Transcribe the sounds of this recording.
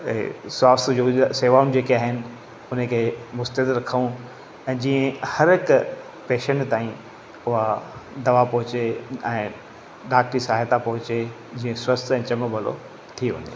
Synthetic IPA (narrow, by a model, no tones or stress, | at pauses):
swaːst̪ʰd͡ʑoseːʋaːʊ̃nd͡ʑeːkiaːɦɪnɪ̆ | ʊn̤əkʰeːmʊst̪əɦɪd̪ɾɐkʰəũ | ɛ̃ːd͡ʑiːə̃hɐɾɦɪk | peːʃənt̪aːĩ | ʊɦad̪ɐʋapɐɦʊt͡ɕeɛ̃ː | ɗaːk̚ʈɾisaːɦet̪apɐɦʊt͡ɕe | d͡ʑĩːə̃swɐst̪ʰɛ̃ːt͡ɕɐməbɐlo̰ | t̪ʰiɦḛ̃ːnd̪e